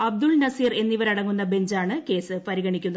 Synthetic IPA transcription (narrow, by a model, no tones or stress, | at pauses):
ɐb̚d̪ulnɐsiːre̞nːiʋɐɾɐɽɐŋːunːɐbe̞ɲd͡ʑaːɳɨke̞ːsɨpɐɾiɣɐɳikʲːunːɐ